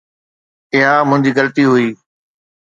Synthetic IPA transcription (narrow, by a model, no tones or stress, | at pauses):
ɪɦamʊ̃ɦɪ̃ɲd͡ʑiːɡələt̪iɦʊiː